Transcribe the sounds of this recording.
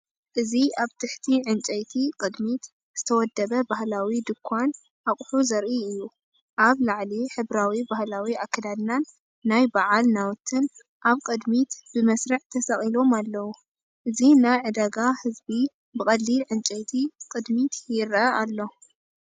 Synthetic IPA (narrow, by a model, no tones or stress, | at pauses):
ʔɨziaβt̪ʰɨħt̪ʰiʕɨnt͡ʃʼɐjt̪ʰikʼɨd̪mit̪ | z̥ɨt̪ʰɐwɔd̪ːɐβɐbahlawid̪ɨkʰːan | ʔaχʼħuzɐɾʔiɨjːu | ʔaβlaʕliħɨβɾawibahlawiakʰːɐd̪ad̪nanː | ajbaʕalnawɔt̪ʰːɨn | ʔaβkʼɨd̪mit̪b̥ɨmɐsɾɐʕt̪ʰɐsɐχʼilo̞malːɐwu | ʔɨzinajʕɨd̪aɡahɨzbi | bɨkʼɐd̪lilʕɨnt͡ʃʼɐjt̪ʰikʼɨd̪mit̪ʰjɪɾɐʔalːo̞